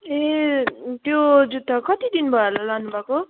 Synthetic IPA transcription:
e | t̪jod͡zut̪ːʌkʌt̪id̪inbʱʌlalanubʱako

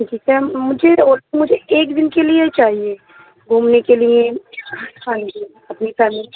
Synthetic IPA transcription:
d͡ʒit͡ʃɛmʊd͡ʒʱeoɾt̪mʊd͡ʒʱeeːkd̪ɪnkeliet͡ʃaːɦie | ɡʱumnekelije | ãd͡ʒi | əpnisami

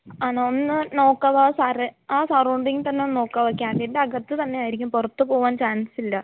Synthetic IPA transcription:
aːnaonːɨno̞ːkːɐʋaːsɐreaːsɐrɐuɳɖiŋt̪ɐnːe̞onːno̞ːkːɐʋɐkʲːaːɳendeɐɡɐt̪ːɨt̪ɐnːe̞aːjiɾikʲːumpurɐt̪ːɨpo̞ːʋaːnt͡ɕaːnsilːɐ

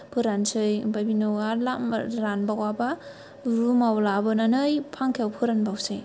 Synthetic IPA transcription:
pʰɯɾansɯjbajbinɯwalamɾanbawaba | ɾumawlabɯnanɯjpʰaŋkʰewpʰɯɾanbawsɯj

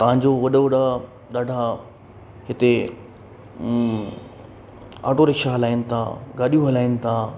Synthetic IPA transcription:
t̪ɐʋ̤ãɲ̆d͡ʑoʋɐɗoʋɐɗa | ɗaːɖʱa | ɦɪt̪e | a̰ːʈoɾɪkʃaɦɐlaːɪnɪ̆t̪ʰa̰ːɡaːɗijũɦɐlaːɪnɪ̆t̪ʰaː

